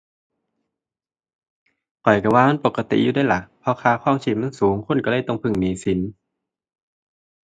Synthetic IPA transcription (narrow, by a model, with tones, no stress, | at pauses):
kɔ˨˩jka˧˩waː˧ma˧˥˨po˨˧˩kːa˧t̪ḭ˨ʔjuː˧daː˥˨jla˧˩ʔpʰɔ˧kʰaː˧xʰɔː˧˥˩ŋt͡ɕʰiː˧˩ma˧˥˨nsuː˨˦ŋkʰo˧˥˨nka˧lɤː˧˥˨jt̪ɔ˧˩ŋpʰɯ˧˩ŋniː˨˦si˨˦n